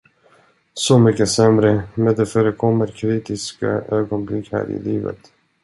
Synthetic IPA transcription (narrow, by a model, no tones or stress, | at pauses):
sɔmʏkːəsɛmɾəmɛnd̪ɛfœːɾəkʰɔmːəɾkʰɾiːt̪ɪska̰øːɡɔnblɪkhæ̰ːɾɪ̰liːvə̰t̪